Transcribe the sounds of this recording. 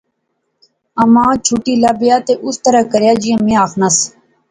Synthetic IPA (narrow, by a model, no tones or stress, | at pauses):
əmãːt͡ʃʰuːʈiːlaːbɪjaːt̪eːʔʊst̪əɾaːkəɾjaːd͡ʒɪə̃mẽːaːxʰnəs